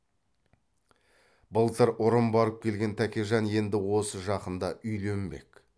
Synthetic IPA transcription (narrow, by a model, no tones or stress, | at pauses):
bəlˠt̪əɾʊɾəmbɑɾəp̚kʲʰe̞lɡʲe̞nt̪ʰækʲeʒɑnje̞nd̪ɪwo̞səʒɑqənd̪ɑʔʏjle̞mbe̞̰k